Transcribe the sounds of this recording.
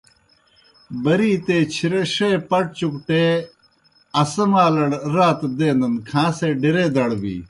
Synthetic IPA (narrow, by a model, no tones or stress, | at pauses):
bɐɾiːt̪eːt͡ɕʰiɾeʂepɐʈ̚t͡ɕukʈeː | ɐsɐmaːlɐɽɾaːt̪d̪eːnd̪ɐnkʰãːseɖiɾeːd̪ɐɽbḭː